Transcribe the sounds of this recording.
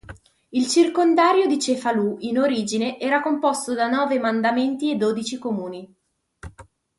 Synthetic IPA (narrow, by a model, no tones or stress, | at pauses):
ilt͡ʃirkond̪aːɾjod̪it͡ʃefaluinoɾiːd͡ʒineʔɛːɾakompost̪od̪anɔːvemand̪ament̪ied̪ːoːd̪it͡ʃikomuːni